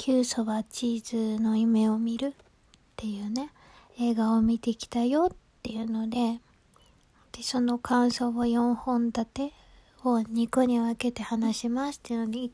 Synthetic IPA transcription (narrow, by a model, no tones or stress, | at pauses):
kʲʰɨːso̞βat͡ɕiːzɨno̞ime̞omʲiɾɯ̟ | t̪ːe̞jɯ̟ːne̞ | e̞ːɡaomʲit̪e̞kʲi̥t̪ajo̞t̪ːe̞jɯ̟no̞d̪e̞ | d̪̥eso̞no̞kʰãɰ̃so̞ːβajõ̞ɰ̃hõ̞nd̪at̪e̞ | oɲ̟ikoɲ̟iβake̞t̪e̞hanaɕimasɨ̥t̪ːei̟nod̪ʲi